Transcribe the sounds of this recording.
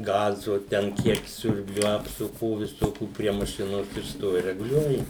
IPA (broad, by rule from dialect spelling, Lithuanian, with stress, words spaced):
ˈɡɑːzʊ tʲɛn ˈkʲiɛk ˈsʲʊrʲbʲlʲʊ ɐpsʊˈkuː ʋʲɪˈsoːkʲuː pʲrʲiɛ mɐˈʃʲɪnoːs ɪr ˈstoːʋʲɪ rʲɛɡʊˈlʲuɔjɪ